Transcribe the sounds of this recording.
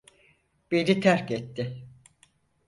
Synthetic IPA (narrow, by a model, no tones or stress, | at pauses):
b̥enit̪ʰæɾkɛt̪ːɪ